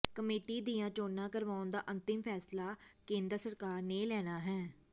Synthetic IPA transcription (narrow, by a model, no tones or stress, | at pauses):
kəmeːʈiːd̪ijãːt͡ʃoːnːãːkəɾʋaːʊnd̪a̰ːʔənt̪ɪmpʰɛːslaːkẽːnd̪əɾsəɾkaːɾneːlɛːɽ̃aːɦɛː